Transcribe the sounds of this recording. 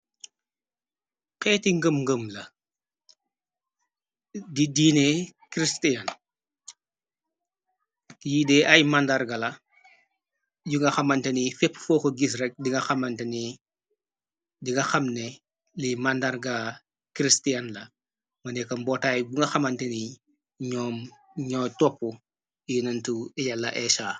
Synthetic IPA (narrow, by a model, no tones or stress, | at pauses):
qɛːtiŋɡəmŋɡəmlɐ | didiːnɛkɾistiɐn | jidɛʔɐjmandɐrɡɐlɐ | juŋɡɐxɐmɐntɐnifɛpːfɔːkɔɡisrɛk̚diŋɡɐxɐmɐntɐni | diŋɡɐxɐmnɛ | limandɐrɡɐ | kɾistiɐnlɐ | mɐnɛkɐmbɔtaːjbuŋɡɐxɐmɐntɛni | ɲɔːm | ɲɔːtɔpːu | junɐntujalːɐ̰ʔɛʃaː